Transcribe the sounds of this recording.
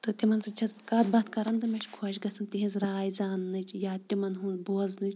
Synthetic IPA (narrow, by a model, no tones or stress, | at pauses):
t̪ɨt̪imɐnsɨt͡ʃʰɐsbkaːt̪̚bɐt̪ʰkɐɾɐnd̪ɨmɐʃʰkʰoːʃɡɐsɐnt̪iɦĩzɾaːjzaːnːɨt͡ʃʰjaːt̪ʲimɐnɦũboːznɨt͡ʃʰ